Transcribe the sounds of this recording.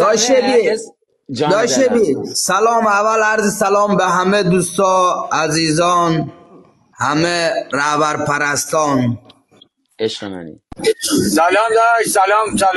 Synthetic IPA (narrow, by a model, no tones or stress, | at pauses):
d̪ʃebi | d̪ɔʃebisalɔːmavalaɾzisalɔːmbeɦamed̪ust̪ɔaziːzɔːn | hameɾahbaɾpʰaɾast̪ɔːn | salɔmd̪ɔʃsalɔmsa